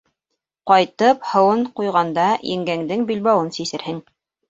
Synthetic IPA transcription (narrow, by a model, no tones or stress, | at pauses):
qɑjt̪ɤphɤ̆wɤɴqujʁɑnd̪ɑjɘ̰̆ŋɡæŋd̪ɘŋbilβɑwɤnsisɘ̆ɾhɘŋ